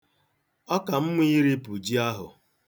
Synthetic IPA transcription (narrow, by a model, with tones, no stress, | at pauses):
ɔ˦ka˨m̩˦mʊ˦i˦ɾi˦pu˨d͡ʒi˦a˦ɦʊ̰˨